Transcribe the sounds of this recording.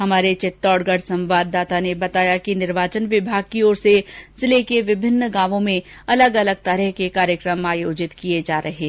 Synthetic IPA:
ɦɐmaːɾet͡ʃɪt̪ːɔːɽɡəɽsɐ̃mʋaːd̪ːaːt̪anebɐt̪aːjakinɪɾʋaːt͡ʃənʋɪbʱaːɡ̚kioːɾsezɪlekeʋɪbʱɪnːɡãːʋõmẽ | ɐləɡɐləɡ̚t̪ɐɾɛɦkekaːɾjəkɾəmaːjoːd͡ʒɪt̪kied͡ʒaːɾʔɐɦeː

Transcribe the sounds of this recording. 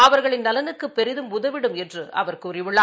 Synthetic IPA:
ɐʋɐɾɣɐɭɪnɐlɐnɯkːɯpːɛɾɪðɯmʊðɐʋɪɽɯmɛndrɯʔɐ̰ʋɐɾkʊrɪʋɯɭːaː

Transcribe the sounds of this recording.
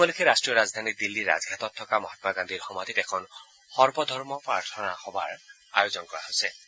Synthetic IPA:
bɔlekʰeɾastɹijɔɾazd̪ʱanid̪ilːiɾa̰zɡʱat̪ɔt̚ʰːɔkamɔɦat̪maɡand̪ʱiɹxɔmad̪ʱitɛkʰɔn | xɔɹbɔd̪ʱɔɹmɔpɹaɹtʰɔnaxɔba̰ɹ | a̰jozɔnkɔɹa̰ɦojsɛ

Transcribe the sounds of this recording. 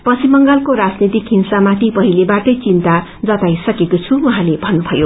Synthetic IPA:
pʌsimʌŋɡalkoɾad͡znit̪ikɦinsamat̪ʰipʌɦilebaʈʌjt͡sint̪a | d͡zʌt̪ajsʌkekot͡sʰuuɦãlebʱʌnːubʱʌjo

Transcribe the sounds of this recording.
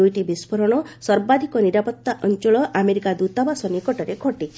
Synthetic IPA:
ujʈibispʰɔɾɔɽ̃ɔsɔɾbad̪ʱikɔniɾapɔt̪ːaʔɔnt͡ʃɔɭɔʔameɾikad̪ut̪ɔbasɔnikɔʈɔɾekʰɔʈi

